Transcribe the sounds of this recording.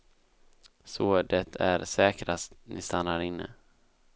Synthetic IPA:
soːd̪ɛt̪ʰæɾsɛːkɾast̪nʔɪst̪anːaɾɪnːə̰

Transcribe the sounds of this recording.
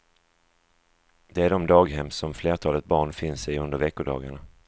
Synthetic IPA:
d̪ɛæɖɔmd̪ɑːɡɦɛmsɔmfleːʈʰɑːlət̪̚bɑːɳfɪnsɪɵnd̪əɾvɛkːʊɖɑ̰ːɡaɳa

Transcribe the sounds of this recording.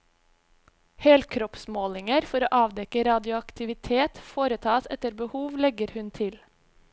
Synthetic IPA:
hɛlkʰɾɔpsmoːlɪŋəɾfɔɾoːʔɑːʋd̪ɛkəɾɑːd̪ɪʊɑkt̪ɪʋɪt̪ʰeːt̪foːɾət̪ʰɑːsɛ̰t̪əɾbəhuːʋlɛɡəɾhʉnt̪ʰɪl

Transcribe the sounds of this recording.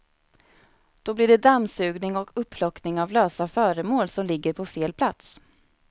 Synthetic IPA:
d̪̥ɔblɪɖɛd̪amːsʉ̟ːɡnɪŋɔkɵpʰːlɔknɪŋavløːsafœːɾəmoːlsɔmlɪɡːəɾpʰɔfeːlpʰlat̪s

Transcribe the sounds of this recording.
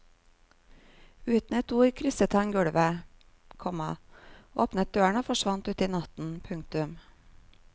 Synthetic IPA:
ʉːt̪n̩əːt̪ʰuːkʰɾʏsət̪ɑŋɡʉɽʋə | kʰɔmɑʔoːpnət̪̚d̪øːəɳoːfɔʃʋɑnt̪ʉːt̪iːnɑt̪n̩pʰʉŋkt̪ʉm

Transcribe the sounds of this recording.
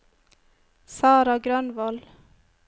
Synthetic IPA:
sɑːɾɑɡɾœnʋol

